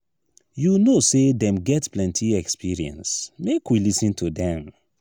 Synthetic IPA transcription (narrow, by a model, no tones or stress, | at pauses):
junosedɛ̃mɡɛtplɛ̃ntʰiɛkspiɹiɛ̰̃nsmekwilisĩntʰudɛ̃m